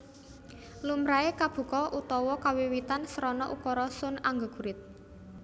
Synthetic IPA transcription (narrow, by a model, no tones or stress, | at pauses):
lumɾaekab̥ṳkɔʔut̪ɔwɔkawiwit̪ansəɾɔnɔʔukɔɾɔsʊnaŋɡəɡ̥ṳɾɪt̪̚